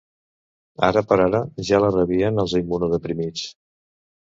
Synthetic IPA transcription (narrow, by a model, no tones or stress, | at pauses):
aɾəpəɾaɾəʒalərəβiənəlˠzimunuðəpɾimit͡s